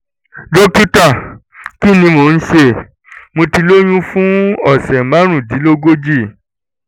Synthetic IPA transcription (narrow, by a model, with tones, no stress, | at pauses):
do˦ku˦ta˦˨ | ki˦nĩ˧mo˨n̩˦ʃe˧ | mo˧ti˧lo˦j̃ũ˦fũ˦ɔ˦˨sɛ˨mã˦ɾ̃ũ˦˨di˨˦lo˦ɡo˦d͡ʒi˦˨